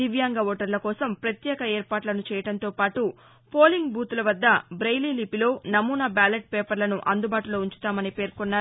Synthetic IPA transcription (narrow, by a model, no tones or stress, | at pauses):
iʋjaːŋɡɐʋoːʈɐɾlɐkɔːsɐmpɾɐt̪jɛːkɐɛːɾpaːʈlɐnut͡ʃɛːjɐɽɐnt̪o̞ːpaːʈu | poːliŋɡbuːt̪ulɐʋɐd̪ːɐbɾɐjliːlipilo̞ːnɐmuːnɐbaːleʈ̚peːpɐɾlɐnuʔɐnd̪ubaːʈulo̞ːuɲt͡ʃu̥t̪aːmɐnipe̞ːɾkɔnːaː